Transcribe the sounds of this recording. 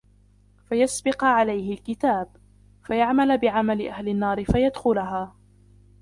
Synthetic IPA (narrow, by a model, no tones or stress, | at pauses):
fajasbɪqʕalajhɪlkɪt̪aːb̚ | fajaʕmalbɪʕamalɪʔahlɪnːɑːɾɪfajad̪xʊlaɦaː